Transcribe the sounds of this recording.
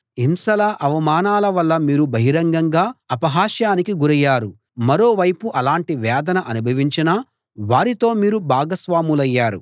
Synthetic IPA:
imsɐlɐʔɐʋɐmaːnaːlɐʋɐlːɐmiːɾubʱɐɦiɾɐŋɡɐŋɡaːɐpɐɦaːʃjaːnikiɡuɾɐjːaːɾu | mɐɾo̞ːʋɐjpuʔɐlaːɳʈiʋɛːd̪ɐnɐʔɐnubʱɐʋiɲt͡ʃinɐ | ʋaːɾit̪o̞ːmiːɾubʱaːɡɐsʋaːmulɐjːaːɾṵ

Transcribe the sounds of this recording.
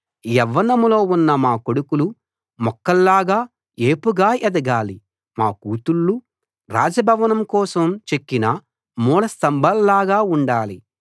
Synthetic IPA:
jɛʋːɐnɐmlo̞ːunːɐmaːko̞ɽukulu | mɔkːɐlːaːɡaː | eːpuɡaːʔɛd̪ɐɡaːli | maːkuːt̪uɭːu | ɾa̰ːd͡ʒɐbʱɐʋɐnɐmkɔːsɐmt͡ʃekːinɐ | muːɭɐst̪ɐmbʱɐlːaːɡaːuɳɖaːli

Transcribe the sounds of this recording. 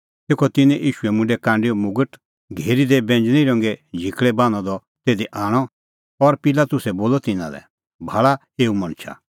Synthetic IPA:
t̪eːkʰɔt̪ɪnɛ̃ʔiːʃuɛmʊ̃ɳɖɛkãːɳɖiɔmʊɡəʈ | ɡʱeːɾid̪ebɛ̃nd͡ʒñĩɾɔ̃ŋɡɛd͡ʒʱikɭɛbãːnɔ̃d̪ɔ | t̪eːd̪iʔaːɽ̃ɔ | ɔɾpɪlat̪ʊsɛboːlɔt̪ɪnã̰lɛ̰ | bʱaɭa | eːumɐ̃ɽ̃t͡ʃʰa̰

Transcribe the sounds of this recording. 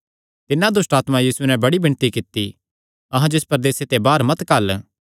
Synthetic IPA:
t̪ɪnãd̪ʊsʈaːt̪mãjiːsunɛ̃bɐɽibɪ̃nt̪ikɪt̪ːi | ɐɦãd͡ʒoɪspɐɾd̪eːset̪ebaːɾmɐt̪kɐl

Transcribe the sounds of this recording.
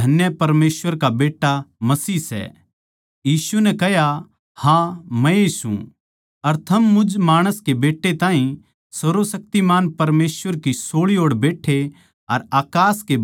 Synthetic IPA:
ɐnjəpɐɾmeːsʋəɾkabeːʈːamɐsiːsɛ̰ː | jiːsunɛkɐɦja | hãmɛ̃eːsṵ̃ | ɐɾt̪ʰɐmːʊd͡ʒmaːɽ̃əskebeːʈːet̪ãːɦĩ | sɐɾosɐk̚t̪imaːnpɐɾmeːsʋəɾkisoːɭioːɽbeːʈʰe | ɐɾaːkaːske

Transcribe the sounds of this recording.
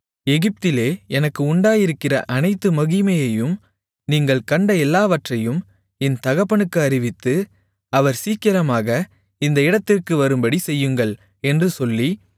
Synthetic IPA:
ɛɣɪp̚t̪ɪleːɛnɐkːɯʊɳɖaːjɪɾɯkːɪrɐ̰ʔɐnɐɪt̪ːɯmɐɣɪmɐjɐjɯm | niːŋɡɐɭkɐɳɖɐɛlːaːʋɐʈrɐjɯm | ɛnt̪ɐɣɐpːɐɳɯkːɯɐɾɪʋɪt̪ːɯ | ɐʋɐɾsiːkɪɾɐmaːɣɐ | ɪnd̪ɐɪɽɐt̪ːɪrkɯʋɐɾɯmbɐɽisɛjːɯŋɡɐɭ | ɛndrɯsɔlːi

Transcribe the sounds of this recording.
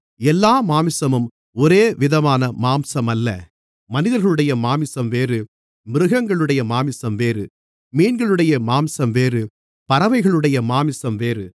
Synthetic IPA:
ɛlːaːmaːmɪsɐmɯm | ɔɾeːʋɪðɐmaːnɐmaːmsɐmɐlːɐ̰ | mɐnɪðɐɾɣɐɭɯɽɐjɐmaːmɪsɐmʋeːɾɯ | mɪɾɯɣɐŋɡɐɭɯɽɐjɐmaːmɪsɐmʋeːɾɯ | miːnɡɐɭɯɽɐjɐmaːmsɐmʋeːrɯ | pɐɾɐʋɐɪɣɐɭɯɽɐjɐmaːmɪsɐmʋeːrɯ

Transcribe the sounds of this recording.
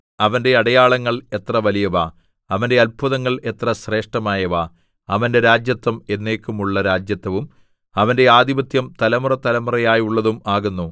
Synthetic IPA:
ɐʋɐnde̞ɐɽɐjaːɭɐŋːɐɭe̞t̪rɐʋɐlijɐʋaː | ɐʋɐnde̞ɐlpʰuðɐŋːɐɭe̞t̪rɐɕre̞ːʂʈɐmaːjɐʋaː | ɐʋɐnde̞ɾaːd͡ʑjɐt̪ːɐme̞nːe̞ːkːumuɭːɐɾaːd͡ʑjɐt̪ːɐʋum | ɐʋɐnde̞aːd̪iʋɐt̪jɐmt̪ɐlɐmurɐt̪ɐlɐmurɐjaːjuɭːɐðumaːɣunːu

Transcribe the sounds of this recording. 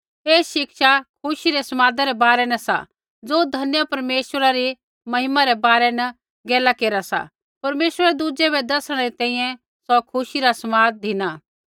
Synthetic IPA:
eːʃɪkʃakʰʊʃiɾɛsɐmaːd̪aɾɛbaːɾɛnɐsa̰ | d͡zoːd̪ʱɐnɪjapɐɾmeːʃəɾaɾi | mɐɦɪmaɾɛbaːɾɛnɐ | ɡɛːlakeːɾasa̰ | pɐɾmeːʃwəɾɛd̪ud͡ʒɛbɛd̪ɐsəɽ̃ɛɾit̪ɛ̃ːĩːjɛ̃ | sɔkʰʊʃiɾasɐmaːd̪̚d̪ʱɪnaː

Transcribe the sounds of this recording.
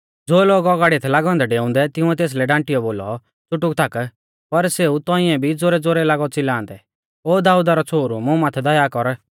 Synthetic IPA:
d͡zoːloːɡɔɡaːɽit̪ʰɛlaːɡɔ̃ːnd̪ɛɖeːʊ̃nd̪ɛt̪ɪũɛt̪eːs̬lɛɖãːʈɪjɔboːlɔ̰ | t͡sʊʈːʊkt̪ak | pɐɾseːut̪ɔ̃ɪɛ̃bʱid͡zoɾɛd͡zoɾɛlaːɡɔt͡sɪlãːnd̪ɛ | oːd̪aːuːd̪aɾɔt͡sʰoːɾumʊ̃maːt̪ʰɛd̪ɐjakɔɾ

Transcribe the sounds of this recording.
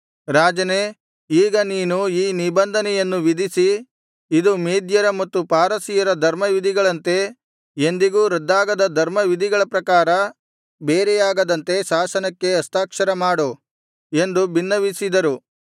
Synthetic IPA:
ɾaːd͡ʒɐne | iːɡɐniːnuiːnibɐnd̪ʱɐnɛjɐnːuʋid̪isi | id̪umiːd̪jɐɾɐmɐt̪ːupaːɾɐsijɐɾɐd̪ʱɐɾmɐʋid̪ʱiɡɐɭɐnt̪e̞ | end̪iɡuːɾɐd̪ːaːɡɐd̪ɐd̪ʱɐɾmɐʋid̪ʱiɡɐɭɐpɾɐkaːɾɐ | beːɾɛjaːɡɐd̪ɐnt̪e̞ʃaːsɐnɐkːe̞ɐst̪aːkʂɐɾɐmaːɽu | e̞nd̪ubinːɐʋisid̪ɐɾu

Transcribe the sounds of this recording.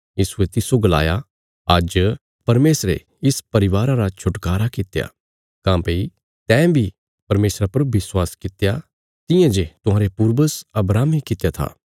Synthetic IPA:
jiːsuet̪ɪsoɡɐla̰ːja | ɐd͡ʒ | pɐɾmeːsɾḛ | ɪspɐɾɪʋaːɾãɾat͡ʃʰʊʈkaːɾakɪt̪ja̰ | kãːpeːi | t̪ɛ̃ːbʱi | pɐɾmeːsɾapɐɾʋɪswaːskɪt̪ja | t̪ɪ̃jãd͡ʒet̪ʊɦãːɾepuːɾbəsɐbɾaːmikɪt̪jat̪ʰa̰ː

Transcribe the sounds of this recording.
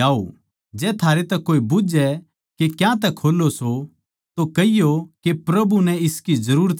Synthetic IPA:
aːo | d͡ʒɛːt̪ʰaːɾet̪ɛkːoːibʊd͡ʒɛ | kekjãt̪̬ɛkʰːoːlːoso | t̪okɐɪjokepɾɐbunɛ̃ɪskizɐɾuːɾət̪

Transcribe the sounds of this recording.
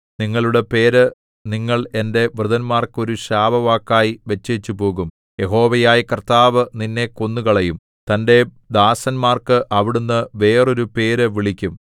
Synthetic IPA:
niŋːɐɭuɽe̞pe̞ːɾɨ | niŋːɐɭe̞nde̞ʋrɨðɐnmaːrkɨo̞ɾuɕaːbɐʋaːkːaːjiʋe̞t͡ɕːɐt͡ɕːupo̞ːɣum | je̞ɦo̞ːʋɐjaːjikɐrt̪aːʋɨninːe̞ko̞nːuɣɐɭɐjum | t̪ɐnde̞ | d̪aːsɐnmaːrkɨʔɐʋiɽunːɨʋe̞ːro̞ɾupe̞ːɾɨʋiɭikʲːum

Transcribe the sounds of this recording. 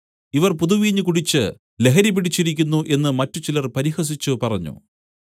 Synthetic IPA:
iʋɐrpuðuʋiːɲːɨkuɽit͡ɕːɨ | le̞ɦɐɾipːiɽit͡ɕːiɾikʲːunːuʔe̞nːɨmɐtːut͡ɕilɐrpɐɾihɐs̬it͡ɕːupɐrɐɲːṵ

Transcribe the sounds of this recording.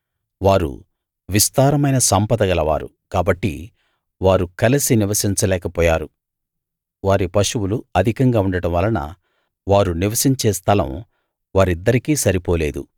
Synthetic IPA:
ʋaːɾṵ | ʋist̪aːɾɐmɐjnɐsɐmpɐd̪ɐɡɐlɐʋa̰ːɾṵ | kaːbɐʈːḭ | ʋaːɾukɐlɐsiniʋɐsiɲt͡ʃɐlɛːkɐpɔːjaːɾu | ʋaːɾipɐʂuwuluɐd̪ʱikɐŋɡaːuɳɖɐɽɐmʋɐlːɐnɐ̰ | ʋaːɾuniʋɐsiɲt͡ʃeːst̪ʰɐlɐ̰m | ʋaːɾid̪ːɐɾikiːsɐɾipoːleːd̪ṵ

